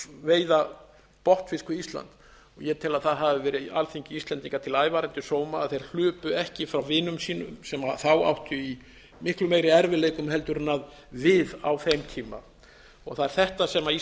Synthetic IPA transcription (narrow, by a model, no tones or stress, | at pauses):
veːjða | pɔht̪fɪskʏist̪la̰nt̪ | ɔɣjɛt̪ʰɪlaðθaðɦavɪvɛːɾɪalθiɲcɪist̪lɛnt̪iŋkat̪ʰɪlaːjvaːɾɛnt̪ʏsoːwmaaðθejɾ̥l̥ʏːpʏɛhcɪfɾawvɪːnʏmsiːnʏ̰msɛmaθawa̰wht̪ʏi | mɪhklʏmeːjɾɪɛɾvɪleːjkʏmɦɛlt̪ʏɾɪnːað | vɪða̰wθejmt̪ʰiːma̰ | ɔɣθaðɛɾ̥θɛht̪asɛmai